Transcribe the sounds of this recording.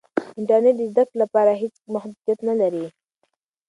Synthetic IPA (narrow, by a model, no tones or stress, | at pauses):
ɪɳʈəɾneʈ̚d̪əzd̪akɽlapɑɾaɦet͡smahd̪ud̪jat̪nalaɾi